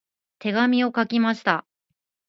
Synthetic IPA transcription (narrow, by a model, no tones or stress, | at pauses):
t̪ʰe̞ɡamʲio̞kakʲimaɕi̥t̪a